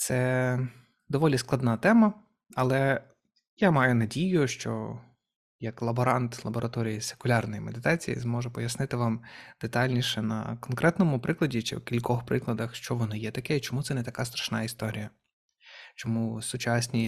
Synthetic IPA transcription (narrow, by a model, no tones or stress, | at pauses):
t̪sɛ | d̪ɔʋɔlʲisklˠɐd̪nɑt̪ɛmɐ | ɐlˠɛ | jamɑjʊnɐdʲijʊʃt͡ʃɔ̰ | jɐklˠɐbɔɾɑnt̪lˠɐbɔɾʔɐt̪ɔɾʲijise̥kʊlʲɑrnɔjimed̪ɪt̪ɑt͡sʲijḭzmɔʒɛpɔjɐsnɪt̪ɪʋɑmd̪̥et̪ɑlʲnʲiʃɛnɐ̰kɔnkɾʔɛt̪nɔmʊpɾʔɪklˠɐdʲit͡ʃɪ̰wkʲilʲkɔxpɾɪklˠɐd̪ɐxʃt͡ʃɔʋɔnɪjɛt̪ɐkɛit͡ʃɔmut̪sɛnɛt̪ɐkɑst̪ɾɐ̥ʃnɑist̪ɔɾʲijɐ | t͡ʃɔmusʊt͡ʃɑsʲnʲi